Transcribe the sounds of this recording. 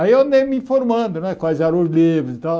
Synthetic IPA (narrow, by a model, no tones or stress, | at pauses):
aiõd̪ẽmĩfoɾmɐ̃d̪ʊñɛkʷazaɾõzlivɾʊzit̪a